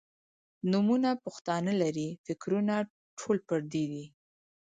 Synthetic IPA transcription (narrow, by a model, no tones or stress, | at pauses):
numunapʊxt̪ɑnəlaɾifɪkɾuna | ʈʰolpəɾd̪id̪i